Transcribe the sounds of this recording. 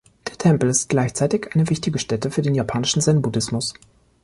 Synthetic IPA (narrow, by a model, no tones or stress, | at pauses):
d̥eːɐtʰɛmpl̩ɪst̚ɡ̥laɪçt͡saɪtɪçʔaɪnəvɪçtɪɡəʃtɛtəfyːɐdeːnjapʰaːnɪʃn̩zɛnbudɪsmʊs